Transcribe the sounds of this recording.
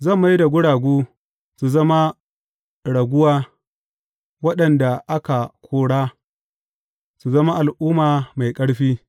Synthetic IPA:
zɐ˦˨mːa˦jda˨ɡʷʊ˦ɽaː˨ɡʷuː˦ | su˨zɐ˦ma˦ | ɽɐ˨ɡʷʊ˦waː˦ | wɐ˦ɗɐ˨nda˨ʔa˦ka˨kʷʰoː˦ɽaː˦ | su˨zɐ˦ma˦ʔa˨lʔuː˦maː˨ma˨jkʼɐ˦ɽɸiː˦

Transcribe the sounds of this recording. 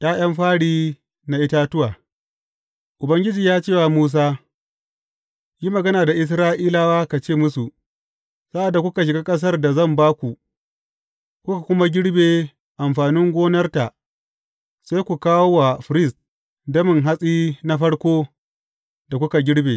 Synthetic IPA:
j̰aː˦j̰ɐ˦mɸaː˦ɽiː˦ | na˨ʔɪ˦ta˦tʊ˦waː˨ | ʔʊ˨bɐ˦ŋɡʲɪ˦d͡ʒiː˨jaː˦t͡ʃeː˦˨wa˨muː˦s̬aː˦ | ji˦mɐ˨ɡɐ˦naː˨da˨ʔɪ˦s̬ɾaː˦ʔiː˦laː˦waː˦ka˨t͡ʃeː˦˨mʊ˦su˨ | sa˦ʔa˨dːa˨kʷʊ˦ka˨ʃ̬ɪ˨ɡaː˦kʼɐ˦s̬ɐ˦rda˨zɐ˦˨mbaː˦kʷu˨ | kʷʊ˦ka˨kʷʊ˦ma˦ɡʲɪ˦ɽbeː˨ | ʔa˨mɸaː˨nɪ˦ŋɡʷoː˦nɐ˦rta˨ʔ | saː˦jkʷu˨kaː˦wo˦wa˨ɸɪ˨˦ɾɪ˦˨st | dɐ˦mɪ˨ŋɦa˦sʼiː˦na˦ɸɐ˦ɽkʷoː˦ | da˨kʷʊ˦ka˨ɡʲɪ˦ɽbeː˨

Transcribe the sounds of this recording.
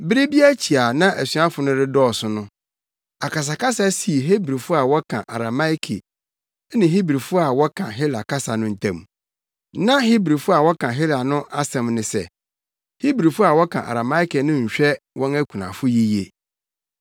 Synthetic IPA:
bɪ˦ɾi˦bi˦æ˦t͡ɕʰi˨a˨nã˦ʔæ˨sɥa˦fʊ˨nʊ̃˦ɾɪ˦dɔː˦˨sʊ̃˨nʊ̃˦ | a˨ka˨s̬a˨ka˦sa˦si˨ɦe˦bɾi˨fʊ˦a˨wɔ˦kʰã̰˨ʔa̰˨ɾa˨ma˦jkʰḛ˨˦ | nɪ̃˨ɦi˦bɾi˨fʊ˦a˨wɔ˦kʰã˨ɦɪ˦la˨ka˦sa˨nʊ̃˦n̩˨tʰã̰˨m˨ | nã˦hi˦bɾi˨fʊ˦a˨wɔ˦kʰã˨ɦɪ˦la˨nʊ̃˦ʔa˦sɛ̃˨mnɪ̃˨sɛ̰˦ | hi˦bɾi˨fʊ˦a˨wɔ˦kʰã˨ʔa̰˨ɾa˨ma˦i˦ke˨nʊ̃˦ɲ̩˨ɕᶣɛ˦wɔ̃˦næ˦kʷʰũ˨nã̰˨fʊ˦ji˦je˨

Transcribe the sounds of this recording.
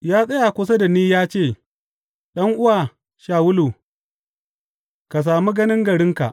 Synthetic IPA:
jaː˦sʼɐ˦ja˨kʷʊ˦sa˦da˨niː˦jaː˦t͡ʃeː˦˨ | ɗɐ˦ŋʔʊ˦waː˨ | ʃaː˨wʊ˦luː˨ | ka˨s̬aː˨mi˦ɡɐ˦nɪ˦ŋɡɐ˨ɽɪ˦ŋka̰˨ʔ

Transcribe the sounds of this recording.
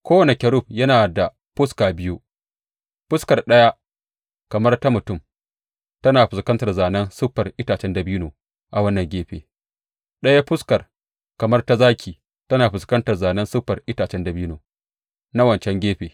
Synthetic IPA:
kʷoː˦wɐ˨ne˨kʲɐ˨ɾʊ˦˨ɸ̚jɐ˦naː˨da˨ | ɸʊ˦skaː˨bɪ˦ju˦ | ɸʊ˦skɐ˨rɗɐ˦ja˦ʔ | kɐ˨mɐ˦rta˦mʊ˨tʊ˦m | tɐ˦naː˨ɸɪ˨skɐ˦ntɐ˨rzaː˨nɐ˦nsʊ˦ɸːɐ˨rʔɪ˦taː˨t͡ʃɛ˦nda˨bi˦noː˨ | ʔa˨wɐ˦nːɐ˨ŋɡʲeː˦ɸḛː˨ | ɗɐ˦ja˦ɸʊ˦skɐ˨r | kɐ˨mɐ˦rta˦zaː˦kʲʰiː˨ | tɐ˦naː˨ɸɪ˨skɐ˦ntɐ˨rzaː˨nɐ˦nsʊ˦ɸɐ˨rʔɪ˦taː˨t͡ʃɛ˦ndɐ˨biː˦noː˨ | na˦wɐ˨nt͡ʃɛ˦ŋɡʲeː˦ɸeː˨

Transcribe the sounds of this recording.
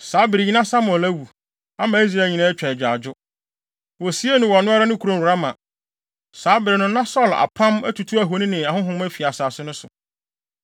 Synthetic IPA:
saː˨˦bɪ˨ɾɪ˨ɲĩ˦nã˦sa˦m˨ɔ˨læ˦wu˨ | a˦mã˨i˦s̬ɾa˦˨lɲĩ˨nã˦ɛ˦t͡ɕᶣʰɛ˨ɛ˨d͡ʑᶣa̰˨d͡ʑʊ˦ | wɔ˨si˦e˦nʊ̃˨wɔ˨nʊ̃˦a˦ɾa˦nʊ̃˦kʰu˨ɾõ˦˨ʊ˨ɾa˦mã˨ | saː˨˦bɪ˨ɾɪ˨nʊ̃˦nã˦sɔ˦˨la̰˨pʰã˦mæ̰˦tʰu˨tʰu˦æ˨ɦo˨nĩ˦nɪ̃˨a˨hʊ̃˦ɦʊ̃˦m˦æ˦fi˨a˨saː˨sʊ˦nʊ̃˦sʊ̰˨

